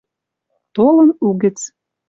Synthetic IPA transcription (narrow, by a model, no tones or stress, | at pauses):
t̪olɤ̆nuɣɘ̆t͡s